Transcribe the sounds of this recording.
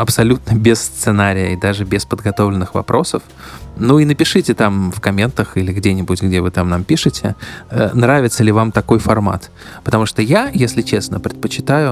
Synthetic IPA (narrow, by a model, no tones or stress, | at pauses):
ɐpsɐlʲut̪̚nəbʲɪsst̪sɨnaɾʲɪjə̰id̪aʐɨbʲɪspəd̪ɡɐt̪o̞vlʲɪnːɨxvɐ̰pɾʔo̞səf | nuinəpʲɪʂɨtʲɪt̪amfkɐmʲe̞nt̪əxilʲɪɡdʲenʲɪbutʲɡdʲe̞vɨt̪amnampʲiʂɨtʲɪ̰ənɾavʲɪt̪səlʲɪvamt̪ɐko̞jfɐrma̰t̪ | pət̪ɐmuʂt̪ojajesʲlʲɪt͡ɕe̞snəpɾʲɪt̪̚pət͡ɕɪ̥t̪ajʊ